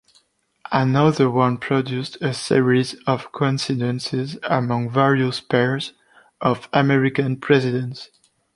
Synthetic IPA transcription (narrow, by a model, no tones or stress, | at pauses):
ənʌðə˞wʌ̃npʰɹ̥ɔdjustəsḭɹizɔv̥kʰɔ̃nsidə̃nsɪzəmʌ̃ŋvɛɹiuspɛɹz | ʔɔvəmɛɹikãnpʰɹɛzɪdɛ̃ns